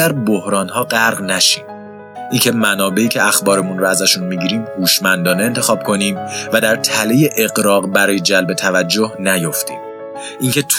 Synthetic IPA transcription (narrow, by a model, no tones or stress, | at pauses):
æɾbohɾɒːnɦɒːɢæɾʁnæʃiːn | ʔincʰe̞mænɒːbe̞iːcʰe̞æxbɒːɾe̞munɾoæzæʃunmiɟiːɾiːmhuːʃmænd̪ɒːneent̪ʰe̞xɒːb̥̚kʰo̞niːmvæd̪æɾt̪ʰæleje̞ʔeɣɾɒːɣbæɾɒːjed͡ʒælbe̞t̪ʰævæd͡ʒːohnæjo̞ft̪ḭːm | ʔiŋcʰe̞t̪ʰ